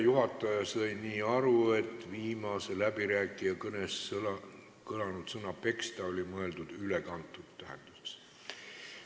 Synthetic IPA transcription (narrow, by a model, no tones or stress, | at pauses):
juɦɑt̪ːˑɑjɑsɤjniːɑɾue̞t̪ːˑviːmɑse̞læb̥iɾæːkˑːijɑkɤnesl | kɤlɑnut̪sɤnɑpe̞kst̪ɑo̞lʲimɤe̞ld̪ud̪̥ylekɑnt̪ːˑut̪ːæɦend̪̥use̥s